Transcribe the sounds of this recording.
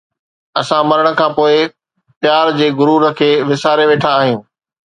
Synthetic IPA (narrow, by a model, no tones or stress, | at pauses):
ɐsãmɐɾəɽ̃ə̆kʰãːpoːɪ | p̪jaːɾd͡ʑeːɡʊɾuːɾəkʰeːʋɪsaːɾeʋeːʈʰãːɦijũː